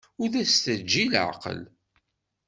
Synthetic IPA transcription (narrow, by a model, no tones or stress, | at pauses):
ʊɾðæst̪əd͡ʒːilʕqə̰l